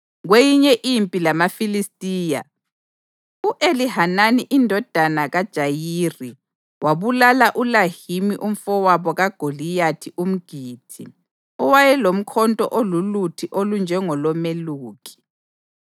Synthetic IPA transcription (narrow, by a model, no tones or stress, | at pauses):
ɣwejiɲɛʔimpʼilamafilistʼiːja̰ | uʔelihananiʔindʱɔd̥ʱanaɣad̥ʒ̥ʱajiːri | waβulalaʔulahimiʔum̩fɔwaβɔɣaɡ̥ʱolijatʰiʔum̩ɡ̥ʱiːtʰḭ | ɔwajɛlom̩kʰɔntʼɔ̰ʔolulutʰiʔolund͡ʒʱɛŋɔlɔmeluːkʰʼi̥